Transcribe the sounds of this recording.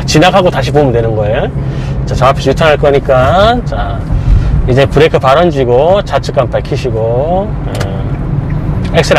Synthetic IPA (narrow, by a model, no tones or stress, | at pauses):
t͡ɕinakʰaɡotaɕ̬ʰipomundwe̞nɯnɡʌejo | t͡ɕat͡ɕʌapʰesʰjutʰaŋɦaɭk͈ʌɲik͈at͡ɕa | id͡ʑe̞pɯɾekʰɯpaɾʌnd͡ʑiɡot͡ɕat͡ɕʰɯk͈ampaɭkʰiɕʰiɡo | ɯ | ek̚s͈ɯɾ